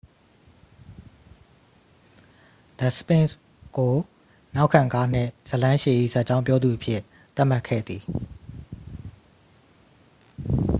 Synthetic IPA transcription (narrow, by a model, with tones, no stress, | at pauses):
d̪̥ə˨spɪ̃˦˨ns | ɡ̥o˨ | na˦ʊkʰã˨ŋka˦n̥ɪ̰̃˦˨z̥ə˨lã˦ʃe˨ʔḭ˦˨za˦ʔ̚t͡ɕã˦ʊ̃pjɔ˦d̪ðu˨ʔəpʰjɪ˦˨ | t̪a˦ʔm̥a˦ʔkʰːɛ̰˦˨d̪ði˨